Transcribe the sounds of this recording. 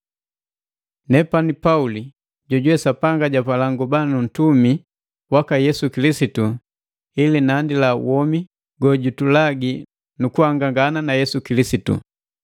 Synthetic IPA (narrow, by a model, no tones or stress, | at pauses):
nɛpanipauli | ɟɔɟuwɛsapaŋɡaɟapalaŋɡubanun̩tumi | wakajɛsukilisitu | ilinandila̰wɔmi | ɡɔɟutulaɡi | nukuhaŋɡaŋɡananajɛsukilisitṵ